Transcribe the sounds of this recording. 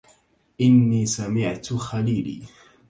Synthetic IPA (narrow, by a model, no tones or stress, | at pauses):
ʔɪnːiːsamɪʕt̪xaliːlḭː